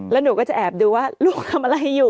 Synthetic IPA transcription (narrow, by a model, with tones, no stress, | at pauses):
lɛː˦˥nuː˩˦kɔː˥˩t͡ɕa˨˩ʔɛː˨˩p̚duː˧waː˥˩luː˥˩k̚t̪ʰa˧mʔa˧la˧jɦa˥˩juː˨˩